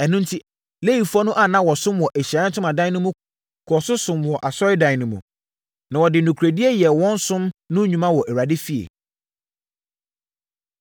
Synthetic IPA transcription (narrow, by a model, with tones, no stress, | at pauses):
ɛ˨nʊ̃˦n˦tʰi˦ | le˦ji˨fu˦ɔ˦nʊ̃˦ʔa˦˨nã˦wɔ˨sʊ̃˦mwɔ˨ʔæ˨ɕa˨˦tʰʊ˦mã˨dã˦nʊ̃˦mũ˦ | kʰɔ˨sʊ˦sʊ̃˨mwɔ˨ʔa˨sɔ˦ɪ˦dã˨nʊ̃˨mṵ̃˨ | nã˨wɔ˨dɪ˨nʊ̃˨kʰɾe˨di˦e˦jɛ˨wɔ̃˦n˦sʊ̃˦mnʊ̃˦ɲᶣũ˨mã˦wɔ˨ʔɛ˨wa˨dɪ˦fi˦ḛ˨